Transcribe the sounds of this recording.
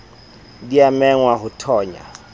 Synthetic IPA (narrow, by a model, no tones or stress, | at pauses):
diamɛŋwaɦʊtʰɔːɲa̰